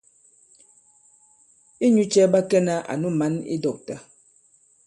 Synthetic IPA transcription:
i˦ɲu˦t͡ʃɛ˦ba˦kɛ˦na˦ʔa̰˨nu˦ma˨˦nḭ˦dɔ˨k̚ta˨

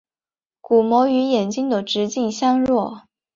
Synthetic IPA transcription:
ku˨˩mwɔ˧˥y˧˥jɛ˨˩nt͡ɕi˥ŋd̪ə˨ʈ͡ʂɻ̩˧˥t͡ɕi˥˩ŋɕjɑ˥ŋɻwɔ˥˩

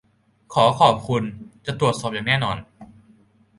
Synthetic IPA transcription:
kʰɔː˩˦kʰɔː˨˩p̚kʰu˧nt͡ɕa˨˩t̪ɾu˨˩ət̪̚sɔː˨˩p̚jaː˨˩ŋɛː˥˩nɔː˧n

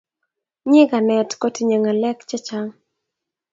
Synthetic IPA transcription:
ɲɪ˦ɡa˨nɛ˨tko˦ti˦ɲe˨ŋa˨lɛ˦kt͡ʃɛ˦t͡ʃa˦ŋ

